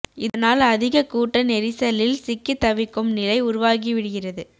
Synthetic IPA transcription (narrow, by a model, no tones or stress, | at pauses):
ɪðɐnaːlɐðɪɣɐkuːʈːɐnɛɾɪsɐlɪlsɪkːɯt̪ːɐʋɪkːɯmnɪlɐɪʊɾʊʋaːɣiʋɪɽɯɣɪrɐðɯ